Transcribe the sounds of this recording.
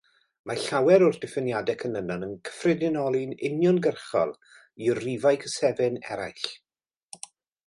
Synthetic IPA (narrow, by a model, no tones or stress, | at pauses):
maɬawɛɾɔrd̥ɪfɪnjadɛkʰənənanənkʰə̥frɛdɪnɔlˠinɪnjɔnɡərχɔ̰lˠ | irrivajkʰəsɛvɪnɛ̰ɾa̰jɬ